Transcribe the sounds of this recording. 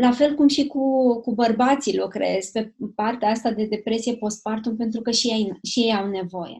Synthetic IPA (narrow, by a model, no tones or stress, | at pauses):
lafe̞lkumʃikukubərbat̪silokɾḛesʲpe̞part̪eaast̪ad̪e̞d̪e̞pɾe̞sije̞po̞st̪̚part̪unpe̞nt̪ɾukəʃijejʃije̞jawne̞vo̞je̞̰